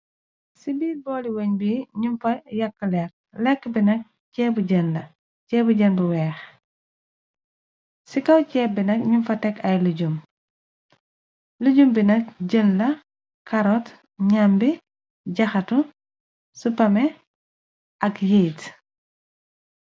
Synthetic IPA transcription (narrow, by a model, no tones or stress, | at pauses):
sibiːlbɔːliwɐɲbiɲunfɐjɐkːəlɛk̚ | lɛkːəbinɐk̚ | cɛːbuɟənlɐ | cɛːbuɟənbuwɛːx | sikɐwcɛːbinɐkɲunfɐtɛkɐjluɟum | luɟumbinɐk̚ɟənlɐ | kɐɾɔt | ɲambi | ɟɐxɐtu | supɐmɛ | ʔɐkjejt